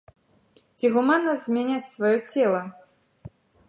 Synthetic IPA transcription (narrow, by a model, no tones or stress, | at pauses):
t͡sʲiɣumanːɐzʲmʲanʲat͡sʲsvajɔt͡sʲɛlˠɐ